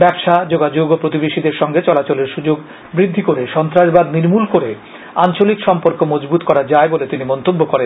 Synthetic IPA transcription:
bɛbʃad͡ʑoɡad͡ʑoɡopɾot̪ibeʃid̪eɾʃɔŋɡet͡ɕɔlat͡ɕoleɾʃud͡ʑoɡ | bɾid̪ʱːikoɾeʃɔnt̪ɾaʃbad̪niɾmulkoɾe | ant͡ɕolikʃɔmpoɾkomɔd͡ʑbut̪kɔɾad͡ʑaebolet̪inimɔnt̪obːokoɾen

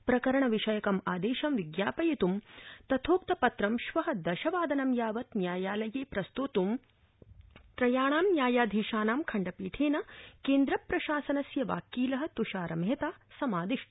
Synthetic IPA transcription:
pɾɐkɐɾɐɳɐʋiʃɐjɐkɐmaːd̪eːʃɐmʋiɡjaːpɐjɐt̪umt̪ɐt̪ʰoːk̚t̪ɐpɐt̪ɾɐmʃʋɐɦɐ̆d̪ɐʃɐʋaːd̪ɐnɐmjaːʋɐt̪njaːjaːlɐjeːpɾɐst̪ut̪um | t̪ɾɐjaːɳaːmnjaːjaːd̪ʱiːʃaːnaːmkʰɐɳɖɐpiːʈʰeːnɐkeːnd̪ɾɐpɾɐʃaːsɐnɐsjɐʋa̰ːkiːlɐɦɐ̆t̪uʃaːɾɐmɦet̪aːsɐmaːd̪iʃ

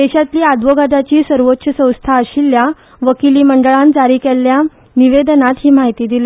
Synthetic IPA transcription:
d̪eɕat̪liːad̪ʋəɡad̪at͡ɕiːsəɾʋot̪ːɕəsə̃w̃st̪ʰaəɕiːlːja | ʋəkiliːməɳɖəɭãnd͡zaɾiːkɛlːja | niʋed̪nat̪ɦiːmaɦit̪iːd̪ile

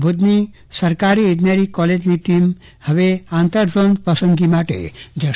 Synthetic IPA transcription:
bʱud̪ni | sɐɾkaɾied̪naɾikɔled͡ʒniʈim | həʋeant̪əɾd͡ʒɔnpɾəsəŋɡimaʈḛd͡ʒɐ

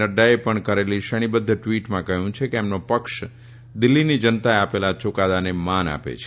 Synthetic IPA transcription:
əɖaepəɳkəɾeliʃəɽ̃ibəd̪ʱːəʈʋiʈmãkəɦjũt͡ʃʰekeemnopəkʃ | d̪ɪlːinid͡ʒənt̪aeapelat͡ʃokad̪anemana̰pḛt͡ʃʰe̥

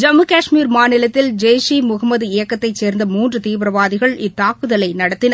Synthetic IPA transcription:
d͡ʒɐmɯkaːʂmiːɾmaːnɪlɐt̪ːɪld͡ʒeːsimʊɣɐmːɐðɯɪjɐkːɐt̪ːɐɪt͡ʃːeːɾnd̪ɐmuːndrɯt̪iːʋɾɐʋaːðɪɣɐɭɪt̪ːaːkɯðɐlɐɪnɐɽɐt̪ːɪnɐ

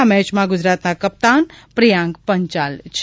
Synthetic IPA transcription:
amɛ̃t͡ʃmãɡʊd͡ʒɾat̪nakəp̚t̪anpɾijãŋɡpəɲt͡ʃalt͡ʃʰ

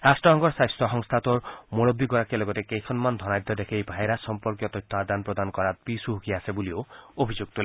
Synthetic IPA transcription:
ɾasʈɾɔɦɔŋɡɔɾsajst̪ɔɦɔŋst̪ʰat̪ɔɾmoɽɔbːiɡɔɾakialoɡɔt̪ekejkʰɔnmand̪ʱɔnajd̪ʱːɔd̪ekʰejbʱaeɾasɔmpɔɾkjɔt̪ɔjt̪ʰːɔad̪anpɾod̪anɔkɔɾat̪̚pisuɦukiasebulioobʱid͡ʒoɡ̚t̪ule

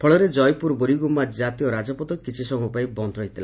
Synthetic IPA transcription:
pʰɔɭɔɾed͡ʒɔjpuɾboɾiɡumad͡ʒat̪ijɔɾad͡ʒɔpɔt̪ɔkit͡ʃʰisɔmʱupajbɔnd̪ɾɔɦit̪ila

